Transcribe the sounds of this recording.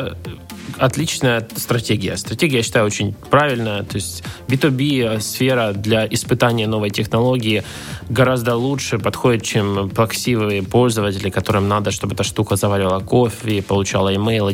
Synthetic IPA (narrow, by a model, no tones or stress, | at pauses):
ɐt̪lʲit͡ɕnəjət̪st̪ɾɐtʲeɡʲɪjəst̪ɾɐtʲeɡʲɪjaɕːɪt̪ajʊo̞t͡ɕɪnʲpɾavʲɪlʲnəjət̪o̞ɪsʲtʲbʲɪt̪ubʲisfʲe̞ɾəd̪lʲaʔɪspɨt̪anʲɪjəno̞vəjtʲɪxnɐlˠo̞ɡʲɪɪ | ɡɐɾazd̪əlˠutʂɨpɐt̪xo̞dʲɪt̪̚t͡ɕemplˠɐksʲivɨjəpo̞lʲzəvətʲɪlʲɪkɐt̪o̞ɾɨmnad̪əʂt̪o̞bɨɛt̪əʂt̪ukəzɐvalʲɪvəlˠəkofʲɪpəlˠʊt͡ɕalˠəɪmejlˠ